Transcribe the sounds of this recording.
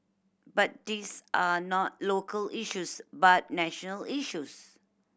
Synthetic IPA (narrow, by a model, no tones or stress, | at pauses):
bat̚disʔanɔt̚lokʰəliʃusbat̚nɛʃɔnəliʃus